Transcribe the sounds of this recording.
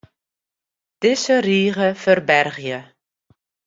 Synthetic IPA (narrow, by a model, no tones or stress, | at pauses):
d̥ɪsəriːɣəfərbɛrɣjə